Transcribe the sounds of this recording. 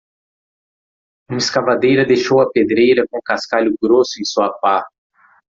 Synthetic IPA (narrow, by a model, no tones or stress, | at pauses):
ũmɐiskavad̪ejɾɐd̪ejʃowɐped̪ɾejɾɐkõkaskaʎʊɡɾosʊẽj̃suɐpa